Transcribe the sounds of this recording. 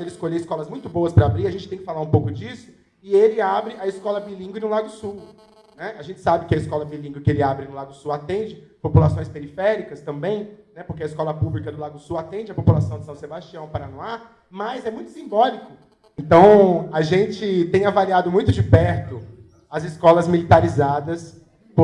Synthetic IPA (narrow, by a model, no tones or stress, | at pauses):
elɪskolʎeɪskɔlɐzmũj̃t̪ʊboɐspɾɐabɾiɐʒẽnt͡ʃɪt̪ẽj̃kɪfalaɾũpowkʊd͡ʒisʊ̥ | ɪelɪabɾɪɐiskɔlɐbilĩŋɡwɪnʊlad̪ʊʊsuw | nɛaʒẽnt͡ʃɪ̥sabɪkɪɐiskɔlɐbilĩŋɡwɪkɪelɪabɾɪnʊlad̪ʊsuwat̪ẽd͡ʒɪpopulasõj̃speɾifɛɾikɐst̪ɐ̃mbẽj̃nɛpʊɾkeɐiskɔlɐpublikɐd̪ʊlad̪ʊʊsuwat̪ẽnd͡ʒɪɐpopulasɐ̃w̃d͡ʒɪsɐ̃sebaʃt͡ʃiɐ̃w̃paɾanoa | mɐzɛmũj̃t̪ʊ̥sĩmbɔlikʊ | ẽnt̪ɐ̃w̃aʒẽt͡ʃɪt̪ẽj̃avaliad̪ʊmũj̃t̪ʊd͡ʒɪpɛɾt̪ʊ | ɐzɪskɔlɐzmilit̪aɾizad̪ɐs | p